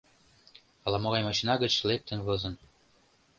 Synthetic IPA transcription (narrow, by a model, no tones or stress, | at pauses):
ɑlɑmoɣɑjmɑɕinɑɣə̆t͡ɕlek̚t̪ə̆nβɤ̆zɤ̆n